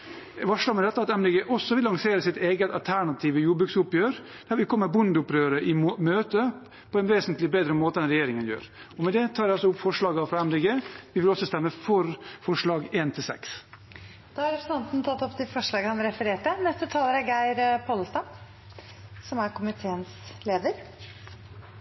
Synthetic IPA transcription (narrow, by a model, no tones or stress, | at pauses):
ʋɑʂlɑɡmɛd̪ɛt̪ːəɑt̪ɛmd̪ɛɡeːʔɔsːɔʋɪlːɑŋseːɾəsɪt̪eːɡət̪ɑlt̪ʰæɳɑt̪ʰiːʋəjuːbɾʉksʊpjøːɾ | d̪̥æɾʋɪlkʰɔmːəbʊnd̪ʊpɾøːɾəʔɪmøːt̪ə | pʰɔɛnʋeːsənt̪lɪbeːd̪ɾəmoːt̪əd̪ɛnɾɛjeːɾɪŋənjø̰ːɾ | ɔmɛd̪ɛt̪ʰɑːɾjæɑlsɔʊpːfɔʂɭɑːɡɑfɾɑɛmd̪ɛɡeːʋɪʋɪlɔsɔst̪ɛmːəfɔɾfɔʂɭɑːɡeːnt̪ʰɪlsɛ̰ks | d̪̥ɑɑɾɛsnɛnt̪n̩t̪ʰɑt̪ːɔpt̪ɪfɔʂɭɑːɡəhɑnɾɛfəɾeːʈənɛst̪ət̪ʰɑːləɾæɾɡæɪɾpʰɔll̩st̪ɑm | sɔmæɾkʊmɪt̪ʰeːənsleːd̪əɾ